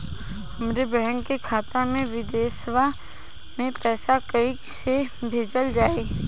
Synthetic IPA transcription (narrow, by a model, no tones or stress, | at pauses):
ɐmɾebɛɦəŋkekʰaːt̪amẽʋɪd̪ɛːsʋa | mẽpɛːsakəiksebʱeːd͡ʒəld͡ʒaːeː